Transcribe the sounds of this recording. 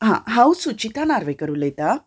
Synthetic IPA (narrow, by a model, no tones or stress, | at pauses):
ɦãɦãwsut͡ɕit̪anaɾʋekəɾuːlet̪a